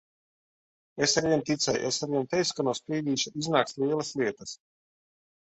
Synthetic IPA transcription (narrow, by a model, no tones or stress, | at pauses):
esaɾviɛnt̪it̪sɛjesaɾviɛnt̪ɛjskanuɔspɾiːd̪iːʃuʔiznaːkst̪lˠiɛlˠɐsliɛt̪ɐs